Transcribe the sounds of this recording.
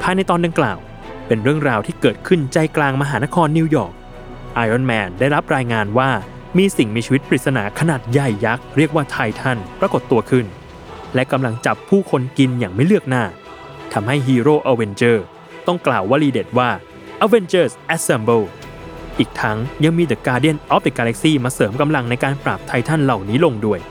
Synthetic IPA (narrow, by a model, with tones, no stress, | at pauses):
pʰaː˧jna˧jt̪ɔː˧nda˧ŋkla̰ː˨˩w | pe˧nɾɯ˥˩əŋɾaː˧wt̪ʰiː˥˩kɤː˨˩t̪̚kʰɯ˥˩nt͡ɕa˧jklaː˧ŋma˧ɦaː˩˦na˦˥kʰɔː˧nːi˧wjɔː˨˩k̚ | ʔaː˧jʔɔ˥˩nmɛː˧ndaː˥˩jɾa˦˥p̚ɾaː˧jŋaː˧nwaː˥˩ | miː˧si˨˩ŋmiː˧t͡ɕʰi˧˦t̪̚pʰa˧ɾi˨˩t̪̚sa˧na̰ː˩˦kʰa˧naː˨˩t̪̚ja˨˩jːa˦˥k̚ɾi˥˩k̚waː˥˩t̪ʰa˧jt̪ʰa˥˩npɾa˧ko˨˩t̪ːu˧ɐkʰɯ˥˩n | lɛ˦˥ka˧mla˧ŋt͡ɕa˨˩pʰːuː˥˩kʰo˧nki˧njaː˨˩ŋma˥˩jlɯ˥˩ək̚naː˥˩ | t̪ʰa˧mɦa˥˩jɦiː˧ɾoː˥˩ʔa˧we˧nt͡ɕɤː˥˩ | t̪ɔ˥˩ŋklaː˨˩wːaː˦˥˩liː˧de˨˩t̪̚waː˥˩ | ʔa˧we˧nt͡ɕɤː˥˩sʔɛ˦˥t̪̚sɛ˧mbɤː˥˩wʔiː˨˩k̚t̪ʰa˦˥ŋja˧ŋmiː˧d̪a˨˩kːaː˧di˥˩ə˨nʔɔ˦˥p̚d̪i˨˩kːa˧lɛ˦˥k̚siː˥˩maː˧sɤː˩˦mka˧mla˧ŋna˧jkaː˧npɾaː˨˩p̚t̪ʰa˧jt̪ʰa˥˩nla˨˩wniː˦˥lo˧ŋdu˥˩əj